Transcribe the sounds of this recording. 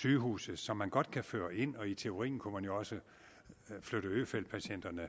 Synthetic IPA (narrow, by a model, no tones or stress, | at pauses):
syːɦṵːsð̩ˠsɒ̽mːænɡ̥ɒ̽d̥kʰæfø̰ːɐʔe̝n̰ɒ̽it͡sʰe̝o̝ʁḭːn̩kʰumænjo̝ɒ̽sə | fløɾ̥əø̰ːfel̰d̥̚pʰæɕen̰d̥ɐnə